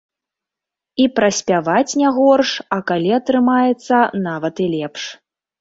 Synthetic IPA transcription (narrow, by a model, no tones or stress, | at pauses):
ipɾɐsʲpʲavat͡sʲnʲɛɣɔrʂɐkalʲiɐt̪ɾɨmajɛt̪sːɐnavɐt̪ilʲɛpʂ